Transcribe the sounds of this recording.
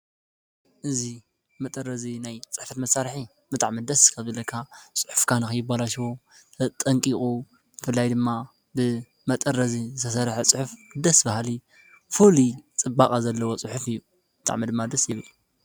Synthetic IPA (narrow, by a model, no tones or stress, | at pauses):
ʔɨzi | mɐt̪ʼɐɾːɐzinajt͡sʼɨ̥ħfɐt̪mɐsaɾħi | bɨt̪ʼaʕmid̪ɐskʰɐzɐlɐkʰːat͡sʼɨ̥ħʊfkʰanɨxɨjːɪbalaʃwo | t̪ʼɐŋkʼikʼu | jɪfɨlːajd̪ɨmːa | bɨ | mɐt̪ʼɐɾɐzizɨt̪ʰɐsɐɾħet͡sʼɨħufd̪ɐsbahli | fulit͡sʼɨbakʼazɐlːɐwo̞t͡sʼɨħufɨjːu | b̥ɨt̪ʼa̰ʕmid̪ɨmːad̪ɐsjɪβɨl